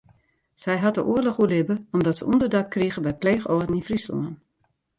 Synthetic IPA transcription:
z̥ɛjɦat̚dəʔuərlɔxuəlɪbəɔmdɔtsəundərdakkriɣəbɛjpleːxɔədn̩infrislɔ̰ən

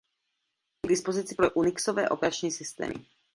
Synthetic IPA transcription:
ɡd̪ispozit͡sipɾoʔuniksovɛ̰ːʔopɛɾat͡ʃɲiːsist̪ɛ̰ːmḭ

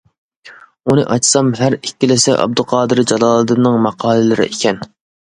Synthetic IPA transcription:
unɨʔɑt͡ʃsɑmɦæɾikʲːilɪsɛʔɑ̰b̚d̪ʊqʰɑːd̪ɨɾd͡ʒɑlˠɑːlˠɨd̪ɨnːɨŋmɑqʰɑːlˠɨlɨɾɪ̰ʔekʲʰɛn

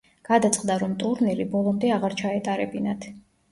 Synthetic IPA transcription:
ɡ̥ad̪at̪sʼqʼd̪aɾɔmt̪ʼuɾniɾibɔlˠɔmd̪ɛaʁaɾt͡ʃʰaɛt̪ʼaɾɛbinat̪ʰ

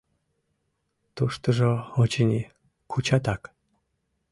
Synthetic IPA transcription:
t̪uʃt̪əʒoot͡ɕinʲi | kʰut͡ɕat̪ak

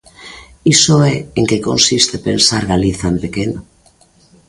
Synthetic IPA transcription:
isoɛeŋkekonsist̪epensaɾɣaliθampekeno

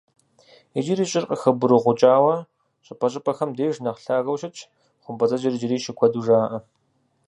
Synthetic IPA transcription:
id͡ʒiɾiːɕʼɪrqʼəxɐbʊɾɨʁʷʊt͡ʃʼaːwɐ | ɕʼɪpʰɐɕ̬ʼɪpʼɐxɐmdeːʒnɐqɬaːɣɐwɕɪt͡ʃʰʼ | χʷʊmpʰɐt͡sʼɐd͡ʒɐrd͡ʒɪɾiːʃɪkʷʰɐduʒaːʔɐ

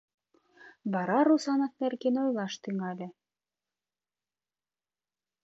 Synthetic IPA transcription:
βɑɾɑɾusɑnɤt̪̚nerɡenojlɑʃt̪yŋɑlʲĕ

